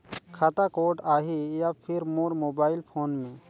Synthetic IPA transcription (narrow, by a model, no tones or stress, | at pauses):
kʰat̪akoːʈaɦijapʰɪɾmoɾmoːbaːɪlpʰoːnmẽː